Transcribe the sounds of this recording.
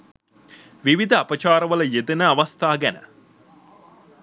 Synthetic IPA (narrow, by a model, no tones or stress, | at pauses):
ʋiʋid̪əɐpət͡ʃaːɾəʋələjed̪ənəaʋast̪aːɡænə̰